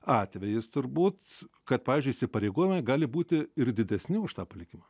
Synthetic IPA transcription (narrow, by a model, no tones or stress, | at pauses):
ɑːt̪ʲʋʲɛjɪst̪ʊɾbuːt̪ | kɐt̪̚pɑːʋʲiːzʲd͡ʒʲʊiːsʲɪpɐɾʲɛɪɡoːjɪmɐɡɑːlʲɪbuːt̪ʲɪɪrd̪ʲɪd̪ʲɛsʲnʲɪʊʃt̪ɑːpɐlʲɪkʲɪmɐ